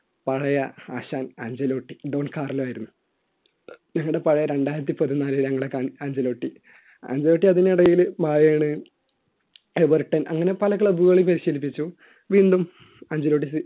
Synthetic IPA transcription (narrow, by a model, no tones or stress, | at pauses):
pɐɻɐjɐaːɕaːnaːɲd͡ʑɐlo̞ːʈːiɖoːnkaːrɐlaːjiɾunːu | ɲɐŋːɐɭɽe̞pɐɻɐjɐɾe̞ɳɖaːjiɾɐt̪ːipɐt̪ːinaːliɲɐŋːɐɭɽekaːɳaːɲd͡ʑɐlo̞ːʈːi | a̰ːɲd͡ʑɐlo̞ːʈːiɐðiniɽɐjilmaːjeːɳɨ | eʋɐrʈːɐnʔɐŋːɐne̞pɐlɐkːɐɭɐbuɣɐɭipɐɾiɕɐlip̬ːit͡ɕːu | ʋind̪um | aːɲd͡ʑɐloːʈːisɨ